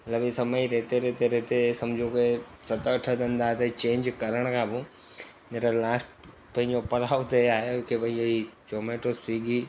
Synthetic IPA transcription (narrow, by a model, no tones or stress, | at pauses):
mɐt̪ləbisɐməiɾeɦt̪eɾeɦt̪eɾeɦt̪esɐmd͡ʑʱokesɐt̪əɐʈʰəd̪ə̃nd̪aɦt̪ɐt͡ɕẽːɲd͡ʑkɐɾəɽ̃kʰãːbɪ | neɾəlaːsʈ | pɐ̃ɦɪ̃ɲd͡ʑopɐlaːʊt̪eaːɦekʰepɐ̃ɦɪ̃ɲd͡ʑoit͡ɕoːmeːʈosiːɡi